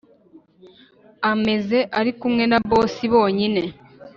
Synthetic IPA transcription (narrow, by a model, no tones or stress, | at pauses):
ame̞ze̞ʔaɾikumŋe̞naβo̞ːsiβo̞ːɲine̞